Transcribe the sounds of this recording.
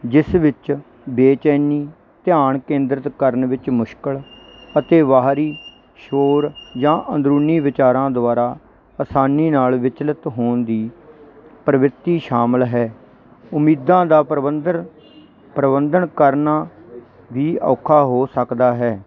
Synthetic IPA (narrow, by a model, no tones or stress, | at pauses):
d͡ʒɪsʋɪt͡ʃ | beːt͡ʃɛːniː | t̪ɪjaːɳkẽːnd̪ɾət̪kəɾnʋɪt͡ʃmʊʃkəɭ | ət̪eːʋaːɾiː | ʃoːɾd͡ʒãːʔə̃nd̪ɾuːniːʋɪt͡ʃaːɾãːd̪ʊaːɾaː | əsaːniːnaːlʋɪt͡ʃlət̪ɦoːnd̪iː | pɾəʋɾɪt̪iːʃaːməlɦɛː | ʊmiːd̪ãːd̪aːpɾəd̪ə | pɾəbənd̪əɳkəɾnaː | ʋiːɔ̰ːkʰaːɦoːsəkd̪aːɦɛː